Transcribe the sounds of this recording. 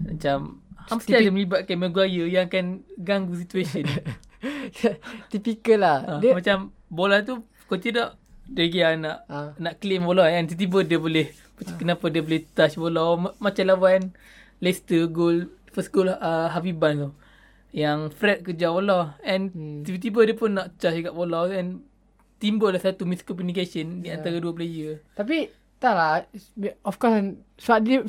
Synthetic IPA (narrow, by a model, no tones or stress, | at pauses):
mat͡ʃamhampəst̪iadiməlibat̪̚kaiməɡuajəjaŋkɛnɡaŋɡus̬it̪uesən | t̪ipikəlaamat͡ʃam | bolat̪̬u | kot͡ʃidɔʔ | dəɡianaʔnaʔklɪmbolɔɛnt̪ət̪̬ibədiəboleh | kənapadiəbolɪht̪at͡ʃbolɔmat͡ʃalawan | lest̪əɡol | fəstɡoləɦapibant̪u | jaŋfɾɛt̪̚kəd͡ʒabolɔɛ̃nt̪ibət̪ibədiəpʊnːaʔt͡ʃasd͡ʒuɡaʔbolɔwɛn | t̪imbəlasat̪umiskɔpunikasəndiant̪aɾaduəp̬lejət̪api | t̪ala | ɔfkɔs | sadi